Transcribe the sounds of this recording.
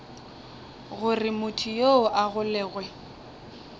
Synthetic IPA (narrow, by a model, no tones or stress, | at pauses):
ɣʊrɪmʊtʰijoʔaɣʊlɛːɣwɛ